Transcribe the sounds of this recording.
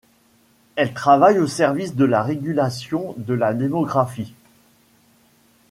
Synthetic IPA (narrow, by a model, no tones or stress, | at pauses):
ɛlt̪χavajosɛʁvisd̪əlaʁeɡʲylasjɔ̃d̪əlad̪emɔɡʁafi